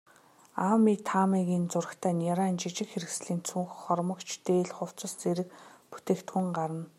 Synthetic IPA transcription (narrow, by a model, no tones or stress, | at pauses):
aːmiːt̪ʰamiːɣʲiːnt͡sʊr̆kt̪ʰæːnaɾaːnt͡ɕit͡ɕɪ̆kxeɾɘ̆ksɮiːnt͡sʰuŋxχɔrmɞ̆kt͡ɕʰt̪eːɮχʊw̥t͡sə̆st͡seɾɘ̆kpu̥t̪eːkt̪xuŋɢaɾə̆n